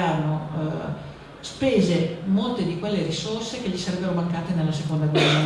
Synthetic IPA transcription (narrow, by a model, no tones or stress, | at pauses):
aːɾano | speːzemolt̪ed̪ikwelːeɾisorsekeʎːisaɾɛbːeɾomaŋkaːt̪enelːasekond̪aɡɛa